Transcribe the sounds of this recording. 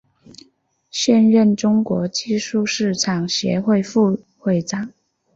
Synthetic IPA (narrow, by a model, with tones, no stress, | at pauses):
ɕjɛ˥˧nɻə˥˩nʈ͡ʂʊ˥ŋkwɔ˧˥t͡ɕi˥˧ʂu˥˧ʂɻ̩˥˩ʈ͡ʂʰɑ˨˩ŋɕjɛ̰˧˥xwe˥˧ɪfu˥˧ | xwe˥˩ɪʈ͡ʂɑ˥˩ŋ